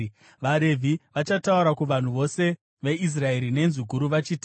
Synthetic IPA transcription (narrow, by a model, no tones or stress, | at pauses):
ʋaɾe̞vʱiʋat͡ʃatauɾakuʋan̤uʋo̞se̞ | ʋe̞is̬rae̞ɾine̞nzuɡʱuɾuʋat͡ʃiːti